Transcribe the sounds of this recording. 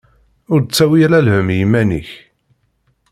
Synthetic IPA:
ʊɾt͡sːæwiɾælhəmjimːænḭç

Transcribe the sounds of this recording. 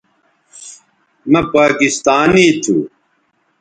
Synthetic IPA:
mɐpaːkist̪aːnit̪ʰṵ

